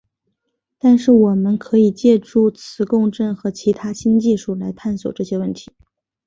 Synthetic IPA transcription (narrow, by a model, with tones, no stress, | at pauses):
t̪a˥˧nʂɻ̩˥˩wɔ˨˩mə˧˦nkʰɤ˧˥i˨˩t͡ɕjɛ˥˧ʈ͡ʂu˥˩t͡sʰɹ̩˧˥kʊ˥˧ŋʈ͡ʂə˥˩nxɤ˧˥t͡ɕʰi˧˥t̪ʰa˥ɕi˥nt͡ɕi˥˧ʂu˥˩la˧˥ɪt̪ʰa˥˩nswɔ̰˨˩ʈ͡ʂɤ˥˩ɕjɛ˥wə˥˩nt̪ʰi̥˧˥